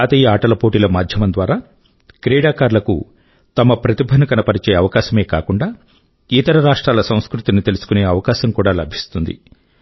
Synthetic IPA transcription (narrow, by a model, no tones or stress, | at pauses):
aːt̪ɐjiaːʈɐlɐpo̞ːʈilɐmaːd̪ʱjɐmɐnd̪ʋaːɾaː | kɾɛːɽaːkaːɾlɐkṵ | t̪ɐmɐpɾɐt̪ibʱɐnɐkɐnɐpɐɾit͡ʃe̞ːɐʋɐkaːʃɐme̞ːkaːkuɳɖaː | it̪ɐɾɐɾaːʂʈɾaːlɐsɐw̃skɾut̪init̪e̞lusu̥kune̞ːɐʋɐkaːʃɐmkuːɽaːlɐbʱi̥st̪und̪ḭ